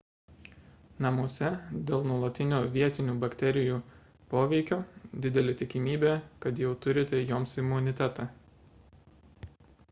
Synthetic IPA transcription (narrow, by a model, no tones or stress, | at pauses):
nɐmuɔsʲɛd̪ʲeːlˠnuɔlˠɐt̪ʲɪnʲoːʋʲiɛt̪ʲɪnʲuːbɐkt̪ʲɛɾʲɪjuː | poːʋʲɛɪkʲoːd̪ʲɪd̪ʲɛlʲet̪ʲɪkʲɪmʲiːbʲeːkɐt̪jɛʊt̪ʊɾʲɪt̪ʲɛjoːmsɪmʊnʲɪt̪ʲɛt̪ɑː